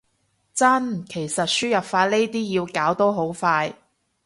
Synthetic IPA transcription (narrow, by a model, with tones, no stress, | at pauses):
t͡sɐ˥nkʰe˨˩jsɐ˨t̚syː˥jɐ˨p̚faː˧t̚le˥jt̪iː˥jiː˧wkaː˨˥wt̪o˥wɦo˨˥wfaː˧j